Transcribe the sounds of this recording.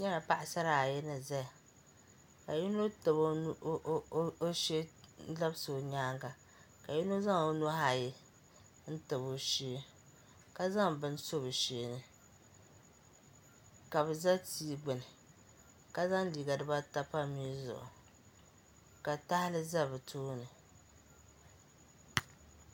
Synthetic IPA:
ɲɛ˦ɾa˨pa˦ʔɪ˨sa˦ɾa˨jɛ˦nɨ˨za˦ja˨ | ka˨ji˦no˦tɨ˨bo˦o˦ʃe˦la˦bso˨ɲaː˦ŋɡa˨ | ka˨ji˦no˦za˦ŋo˦no˦ha˨ji˦ | n̩˦tɨ˨bo˦ʃeː˦ | ka˦za˦ŋbɨ˦n˦so˦bɨ˨ʃeː˦nɨ˦˨ | ka˨βɛ˨za˦tiː˦ɡ͡bɛ˨nɨ˨ | ka˦za˦ŋ˦li˨ɡa˨dɨ˦ba˦ta˦pa˦miː˦zʊ̰˨ʔʊ̰˨ | ka˨ta˦hɪ˦lɨ˦za˦bɨ˨tʰuː˦nɨ˨

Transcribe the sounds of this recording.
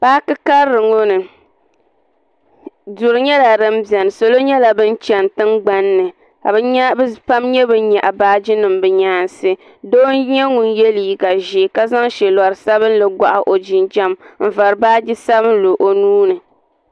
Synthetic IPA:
paː˦kɨ˦ka˦ɾɾɨ˨ŋo˦nɨ˨ | dʊ˨ɾɨ˨ɲɛ˦la˨ɾɨ˦m˦bi˨ɛ˨nɨ˨so˨lo˦ɲɛ˦la˨bɨ˦n˦t͡ʃɛ˨ntɨ˦ŋɡ͡ba˦nːɨ˨ | ka̰˨bɨ˦ɲa˦bpa˦mɲɛ˦bɨ˦ɲa˨ʔa˨baː˦d͡ʒi˦nɨ˨mbɨ˨ɲaː˦n˨sɨ˦ | do˦n˦ɲɛ˦ŋu˨njɛ˦li˨ɡa˨ʒi˨ka˦za˦ŋʃɛ˨la˨ɾɨ˨sa˦βɨ˦n˦lɨ˨ɡʷa˨ʔa˨ʔo˨d͡ʒɪ˨nd͡ʒa˦mm̩˨va˨ɾɨ˨baː˦d͡ʒi˦sa˦bɨ˦nlo˨ʔo˨nuː˦nɨ˨

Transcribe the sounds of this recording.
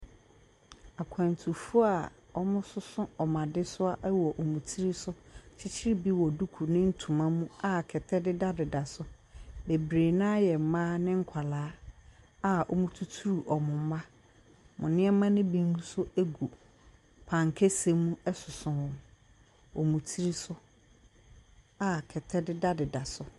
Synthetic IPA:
a˨kʷʰã˨n˨tʰu˨fu˦a˨ | ɔ˦mʊ̃˦sʊ˦sʊ̃˦ɔ˨mã˨dɪ˦sʊ˦a˦ʔwɔ˨ʔɔ˨mũ˨tʰi˦ɾi˦sʊ˦t͡ɕʰɪ˦t͡ɕʰɪ˦ɾi˦bi˦wɔ˨du˦kʰu˨nɪ̃˦n̩˦tʰũ˨mã˦mũ˦a˦˨kʰɛ˨tʰɛ˦dɪ˦da˦dɪ˨da˨sʊ˦ | be˨bɾeː˨nã˦jɛ˨m̩˨˦mãː˦nɪ̃˦ŋ̩˦kʷʰa˨laː˨˦ | a˦˨ɔ̰˦mũ˦tʰu˦tʰu˦ɾu˨ʔɔ˨mʊ̃˨m̩˦mã˦ | mʊ̃˨nɪ̃˦ɛ˦mã˦nɪ̃˦bĩ˦ŋ˦u˦sʊ˦e˦ɡu˨ | pʰã˨ŋ˨kʰɛ˦sẽ˦mũ˦ɛ˦sʊ˨sʊ̃˨wɔ̃˨m | ɔ˨mũ˨tʰi˦ɾi˦sʊ˦ | a˦kʰɛ˨tʰɛ˦dɪ˦da˦dɪ˨da˨sʊ˦

